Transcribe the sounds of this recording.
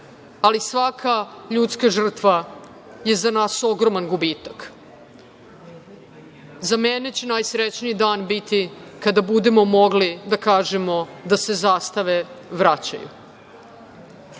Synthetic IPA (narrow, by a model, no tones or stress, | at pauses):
alisʋakʰaʎut̪skaʒr̩t̪ʋa | je̞zanaːso̞ɡɾo̞manɡubiːt̪ak | zamene̞t͡ɕenaːjsɾet͡ɕnijid̪aːnbit̪ikad̪abud̪e̞mo̞mo̞ɡlid̪akaːʒe̞mo̞d̪ase̞zaːst̪aʋe̞ʋɾat͡ɕa̰jṵ